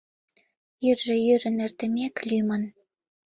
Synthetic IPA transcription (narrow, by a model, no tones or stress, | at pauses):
jyrʒĕjyɾə̆nĕrt̪ɘ̆mʲeklymən